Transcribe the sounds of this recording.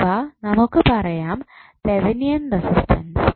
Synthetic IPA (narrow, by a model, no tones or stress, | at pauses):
anɐmukːɨpɐrɐjaːmseʋinijɐndɐsistʰɐns